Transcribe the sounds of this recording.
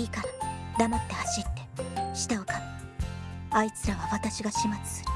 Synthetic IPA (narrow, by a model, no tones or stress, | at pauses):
iːkaɾad̪amat̪ːe̞haɕit̪ːe̞ɕi̥t̪aokan | ait͡sɨɾaβaβat̪aɕiɡaɕimat͡sɨ̥sɨ̥ɾɯ̥